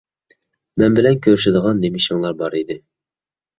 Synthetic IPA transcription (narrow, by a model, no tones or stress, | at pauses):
mɛnbɪlɛnkʲʰøɾʃɪd̪əʁɑnːemɪʃɪŋlˠɑɾbɑɾid̪ɪ